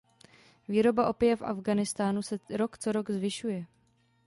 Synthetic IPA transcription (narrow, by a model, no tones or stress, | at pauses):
viːɾo̞baʔo̞pɪjɛfʔa̰vɡanɪst̪aːnusɛɾo̞kt͡so̞ɾo̞ɡzvɪʃujɛ